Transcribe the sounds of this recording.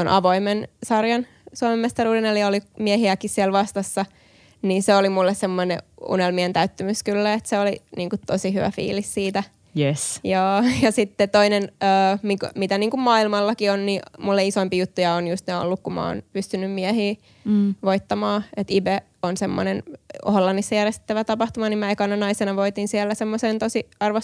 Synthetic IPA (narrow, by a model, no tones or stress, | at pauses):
onʔɑʋoimensɑrjɑn | suɑmemːmest̪ɑruːdeneliɑolimiɛhiækissiɛlʋɑst̪ɑsːɑ | niːnseolimulːessemːoneṵnelmient̪æyt̪ːømyskylːæet̪seoliniːŋkut̪osiɦyʋæ̰fḭːlissiːt̪æ | jesjɑːjɑsit̪ːet̪oinenøːmikmit̪æniːŋkummɑːilmɑlːɑkionnimulːeisoimpijut̪ːujɑonjust̪neo̰lːukkummɑ̰o̰ːnpyst̪ynːymmiɛhiː | ʋoit̪ːɑmɑːet̪ibe | onsemːo̰neno̰hlːɑnːisːɑjærjest̪t̪ːæʋæt̪ɑpɑht̪umɑnimæekɑnːɑnɑisenɑʋoit̪insiɛlːæsemːosent̪osiɑrʋo